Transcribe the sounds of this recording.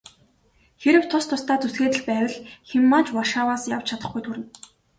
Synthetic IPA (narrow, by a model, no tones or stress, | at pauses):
xeɾɘ̆wt̪ʰʊst̪ʰʊst̪ʰaːt͡susxeːt̪ɘ̆ɮpæːwə̆ɮxemːaːt͡ɕwaʃaːwaːsjaw̥t͡ɕʰat̪ə̆χɡujt̪ʰuɾɘ̆n